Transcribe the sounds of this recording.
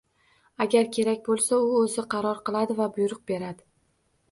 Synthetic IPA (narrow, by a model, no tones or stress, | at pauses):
aɡʲaɾkʲʰe̞ɾakʲbolˠsaʊɵzɪqʰɑɾɒɾqɨlˠad̪ɪvabʊjɾʊq̚be̞ɾad̪ɪ